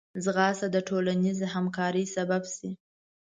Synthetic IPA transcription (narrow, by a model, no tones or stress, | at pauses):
zɣɑsad̪əʈʰolanizehamkɑɾəjsababsi